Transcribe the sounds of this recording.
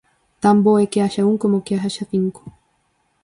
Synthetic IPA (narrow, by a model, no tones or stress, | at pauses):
t̪amboekeaʃauŋkomokeaɦaʃaθiŋko̥